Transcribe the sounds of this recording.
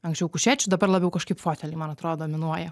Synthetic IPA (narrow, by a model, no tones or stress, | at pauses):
ɐŋksʲt͡ʃʲɛʊkʊʃʲæːt͡ʃʲʊd̪ɐbɐrlˠɑːbʲɛʊkɐʃkɐɪpfoːt̪ʲɛlʲɪmɐnɐt̪ɾoːd̪oːmʲɪnuɔjɛ